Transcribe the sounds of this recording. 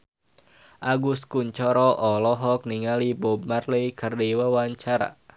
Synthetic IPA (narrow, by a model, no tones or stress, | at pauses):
ʔaɡus̚kuɲt͡ʃɔɾɔʔɔlɔɦɔk̚niŋalibɔbmarlɛkərdiwawaɲt͡ʃaɾa̰